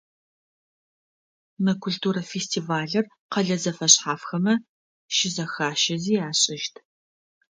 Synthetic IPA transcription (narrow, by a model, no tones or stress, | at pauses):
mɐkʰʷʊɬtʰuːɾɐfestʰiːvaːɮɐr | qɐɮɐzɐfɐɕħaːfxɐmɐ | ʃɪzɐxaːʃɐziːjaːɕʼɪʃtʰ